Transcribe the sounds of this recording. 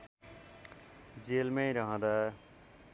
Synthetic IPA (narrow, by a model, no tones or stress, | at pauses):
d͡zelmejɾʌɦʌ̃d̪a